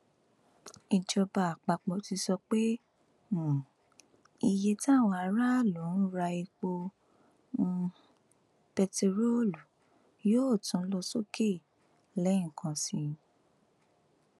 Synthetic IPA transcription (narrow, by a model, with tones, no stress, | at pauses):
i˨d͡ʒɔ˧ba˨a˨k͡pa˨k͡pɔ˨˧ti˧sɔ˧k͡pe˦˨ | i˧je˧ti˦a˦˨w̃ɔ̃˧a˧ɾa˦˨lo˨˦n̩˦ɾa˧i˧k͡po˧ | ũ˧ | pɛ˧te˧ɾo˦lu˨ | joː˦˨tũ˧˦lɔ˧so˦ke˦˨ | lɛ˨˦˨kʰã˧sĩ˧